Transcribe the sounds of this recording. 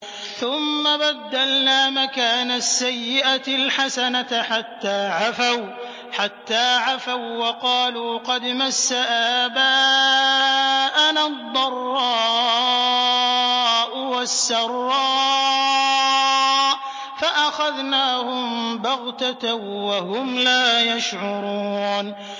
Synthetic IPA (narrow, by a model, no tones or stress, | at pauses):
θʊmːabad̪ːalnaːmakaːnasːajːɪʔalħasanaħat̪ːaːʕafaw | ħat̪ːaːʕafawwɑqɑːluːqɑd̪masːaʔaːbaː | ʔanad̪ˤːɑrˤːɑː | ʔʊwasːɑrˤːɑː | faʔaxaðnaːhʊmbɑɣt̪at̪ːahʊmlaːjaʃʕʊɾuːn